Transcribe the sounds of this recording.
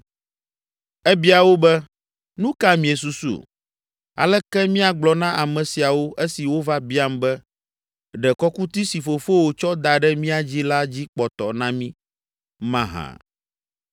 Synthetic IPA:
ɛ˦bi˦a˨wo˦bɛ˦ | nũ˦ka˦mĩ˨e˨s̬u˦sṵ˦˨ | a̰˨lɛ˦kɛ˦mĩ˦a˨ɡ͡blɔ˨nã˦ʔa˨mɛ̃˨si˨a˨wo˦ʔe˦si˨wo˦va˦bi˦a˦mbɛ˦ | ɖɛ˨kɔ˦ku˦t̪i˦si˨fo˨fo˦wo˨t͡ʃɔ˦d̪a˨ɖɛ˦mĩ˦a˨d͡ʑi˦la˦d͡ʑi˦k͡pɔ˨t̪ɔ˨nã˦mĩ˦ | mã˦ɦã̰˨

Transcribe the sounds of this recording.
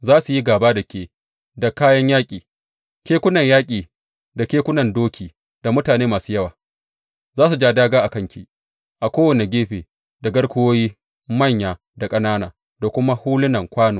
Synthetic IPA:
zaː˦su˨ji˦ɡaː˨baː˦da˨kʲeː˨ | da˨kaː˦jɐ˦ɲjaː˦kʲʼiː˨ | kʲeː˦kʷʊ˦nɐ˨ɲjaː˦kʲʼiː˨ | da˨kʲeː˦kʷʊ˦nɐ˨ndoː˦kʲʰiː˨ | d̥a˨mʊ˦taː˨neː˦maː˨suː˦jɐ˦waː˨ | zaː˦s̬u˨d͡ʒaː˦daː˦ɡaː˦ʔa˨kɐ˦ŋkʲi˨ | ʔa˨kʷoː˦wɐ˨ne˨ɡʲeː˦ɸeː˨ | da˨ɡɐ˦ɽkʷʊ˦woː˦jiː˦ | mɐ˦˨ɲjaː˨ | da˨kʼɐ˦naː˦naː˨ | da˨kʷʊ˦ma˦huː˦lʊ˦nɐ˨ŋkʷaː˦noː˨

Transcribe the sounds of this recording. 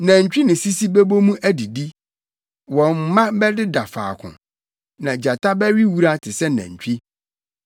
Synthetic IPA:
næ̃˨ɲ˨t͡ɕᶣi˦nɪ̃˨si˦si˦bɛ˦bo˦mũ˦ʔæ˦di˨di˦ | wɔ̃˨mː˦ã˦bɛ˦dɪ˦da˨fa̰ː˨kʰʊ̰̃˨ | nã˨d͡ʑa˨tʰa˦bɛ˦ɥi˦wu˦ɾa˦tʰɪ˨sɛ˦næ̰̃˨ɲ̩˨t͡ɕᶣi˦

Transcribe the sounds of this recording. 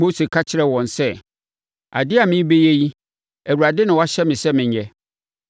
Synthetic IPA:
o˦se˨kʰa˦t͡ɕʰɪ˨ɾɛ˦wɔ̃˨nsɛ˦ | a̰˨dɪ˦a˨mɪ̃˦be˦je˦ji˦ | æ˨wu˨ɾa˨dɪ˦nɪ̃˨wɔ˦a˦ɕɛ˦mɪ̃˨sɛ˦mɪ̃˨ɲ˨ɛ˦

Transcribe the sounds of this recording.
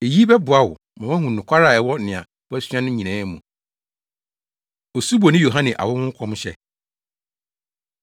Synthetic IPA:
e˨ji˦bɛ˦bʊ˨a˦wʊ̰˨ | mã˨wɛ̃˦ɦʊ̃˨nʊ̃˨kʰʷa˦ɾa˨ɛ˨wɔ˦nɪ̃˨ã̰˨ | wɔ˦ɛ˦sɥã˦nʊ̃˦ɲĩ˨nɛ̃ː˨˦mũ˨ | ɔ˨su˦bɔ˨nɪ̃˦jo˨ɦã˦nɪ̃˨ʔa̰˨wɔ˦wʊ̃˦ŋ̩˦kʰɔ̃˦mɕɛ̰˨

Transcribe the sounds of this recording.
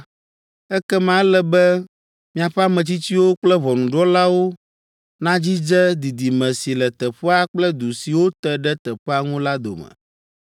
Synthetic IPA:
ɛ˦kɛ˦mã˦lɛ˨bɛ˦ | mĩ˨a˨ɸɛ˦a˦mɛ̃˨t͡ɕi˦t͡ɕi˦wo˦k͡plɛ˦βɔ˨nũ˨ɖɔ˦la˦wo˦ | nã˦d͡ʑi˦d͡ʒɛ˦d̪i˨d̪i˨mɛ̃˨si˨lɛ˨t̪ɛ˨ɸɛ˦a˦k͡plɛ˦d̪u˨si˨wo˦t̪ɛ˦ɖɛ˦t̪ɛ˨ɸɛ˦a˦ŋũ˦la˦d̪o̰˨mɛ̰̃˨

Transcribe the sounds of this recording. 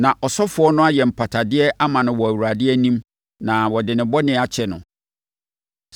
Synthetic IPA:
nã˨ʔɔ˨sɔ˦fʊ˨˦ɔ˦nʊ̃˦a˦jɛ˨m̩˨pʰa˨tʰa˨dɪ˦ɛ˦ʔa˦mã˨nʊ̃˨wɔ˨æ˨wu˨ɾa˨dɪ˦ɛ˦nĩ˦m | nã˨wɔ˨dɪ˨nɪ̃˨bɔ˦nɪ̃˦a˨t͡ɕʰɛ˨nʊ̰̃˨

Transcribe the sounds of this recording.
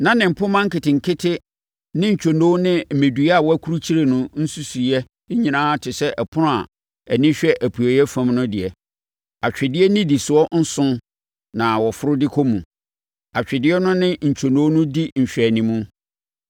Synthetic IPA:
nã˦nɪ̃˨m̩˨pʰʊ̃˦mã˦ŋ̩˦kɪ˨tɪ˨ŋ̩˨kʰɪ˦tʰɪ˦ | nɪ̃˦ɲ̩˨t͡ɕᶣʰo˨nõ˦nɪ̃˦m̩˨me˨du˨˦a˨wɔ˦æ˦kʰu˦ɾu˦t͡ɕʰi˦ɾe˨nʊ̃˦n̩˦su˦su˨jɛ˦ | ɲĩ˨nãː˦tʰɪ˨sɛ˦ʔɛ˨pʰʊ˦ʊ̃˦a˨ | æ˨nɪ̃˦ɕᶣɛ˦ʔæ˨pʰu˨e˨jɛ˦fã˦mnʊ̃˦dɪ˨ɛ˨ | a˨t͡ɕᶣɪ˨dɪ˦ɛ˦nɪ̃˦di˨sʊ˨ɔ˦n̩˦sʊ̃˦ | nã˨wɔ˨fʊ˦ɾʊ˦dɪ˦kʰɔ˦mũ˨ | a˨t͡ɕᶣɪ˨dɪ˦ɛ˦nʊ̃˦nɪ̃˦ɲ̩˨t͡ɕᶣʰo˨nõ˦nʊ̃˦di˦ɲ̩˨ɕᶣɾæ˨nĩ˨mũ˦

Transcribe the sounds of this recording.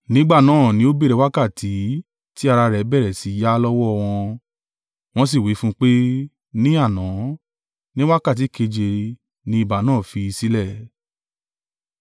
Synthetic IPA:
nĩ˦ɡ͡ba˦˨nãː˦˨nĩ˧˦o˦be˦˨ɾɛ˧wa˦ka˦˨tʰi˨˦ | ti˦a˧ɾa˧ɾɛ˨˦bɛ˦˨ɾɛ˨si˨˦ja˦lɔ˦wɔ˦ɔ˧w̃ɔ̃˧ | w̃ɔ̃˦s̬i˦˨wi˨˦fũ˦k͡pe˦ | nĩ˦a˦˨nã˨˦ | nĩ˦wa˦ka˦˨t̬i˨˦ke˧d͡ʒe˧ | nĩ˦i˦˧˨ba˨˦nãː˦˨fi˧i˧si˦lɛ˦˨

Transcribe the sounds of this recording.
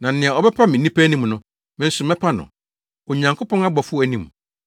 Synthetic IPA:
nã˨n̩˦nɪ̃˨a˨ɔ˨bɛ˦pʰa˦mɪ̃˨nĩ˦pʰæ˦nĩ˦˨m˨nʊ̃˦ | mɪ̃˦n̩˦sʊ˨mɛ̃˦pʰa˦nʊ̰̃˨ | o˨ɲã˨ŋkʰo˦pɔ̃˦ŋa˦ɡ͡bɔ˨fʊ˦æ˨nĩ˨m˨

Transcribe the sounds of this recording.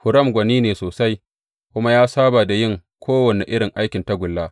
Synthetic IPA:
hʊ˨ɾɐ˦˨mɡʷɐ˨niː˦neː˨soː˨sa˦j | kʷʊ˦ma˦jaː˦saː˦baː˨da˨jɪ˦˨ŋkʷʰoː˦wɐ˨ne˨ʔɪ˦ɽɪ˨ŋʔa˦jkʲɪ˨nta˦ɡʷʊ˨lːaː˦

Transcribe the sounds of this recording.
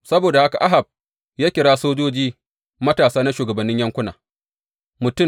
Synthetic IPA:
sɐ˦boː˨da˨ha˦ka˨ʔa˦ɦa˨b̚ | jaː˦kʲɪ˨ɽaː˦soː˦d͡ʒoː˦d͡ʒiː˦ | mɐ˦taː˨saː˦na˦ʃuː˨ɡɐ˨bɐ˨nːɪ˦ɲjɐ˦ŋkʷʊ˦naː˨ | mʊ˨tʊ˦˨

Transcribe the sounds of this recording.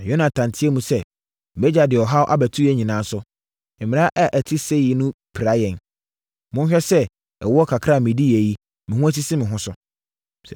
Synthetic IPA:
jo˦nã˨tʰã˨ntʰɪ˦ɛ˦mũ˨sɛ˦˨ | bɛ˦d͡ʑa˨dɪ˨ɔ˨ɦa˦wʔa̰˦bæ˨tʰu˦æ˦ɲĩ˨nãː˨˦sʊ˦ | ɪ̃˨mɪ̃˨a˦ʔɛ˦ʔæ˨tʰi˦se˦˨i˦nʊ̃˦pʰɾa˦jɛ̃˨n | mʊ̃˦n˦ɕᶣɛ˦sɛ˦ | ɛ̰˨wɔ˦kʰa˨kʰɾa˦˨mɪ̃˨di˦˨æ˨ji˦ | mɪ̃˨hʊ̃˦æ˦s̬i˦sɪ˦mɪ̃˨ɦʊ̃˦sʊ˦˨

